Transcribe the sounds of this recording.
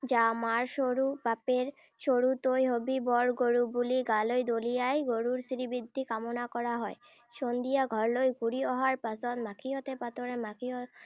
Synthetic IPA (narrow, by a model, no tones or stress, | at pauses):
d͡ʑamaɾʃoɾupapeɾ | ʃoɾut̪ojɦobibɔɾɡoɾubuliɡalojd̪olijajɡoɾuɾsɾibid̪ʱːikamonakɔɾaɦɔe | ʃond̪ijaɡʱɔɾlojɡuɾiɔɦaɾpasonmakʰiot̪epat̪oɾemakʰijo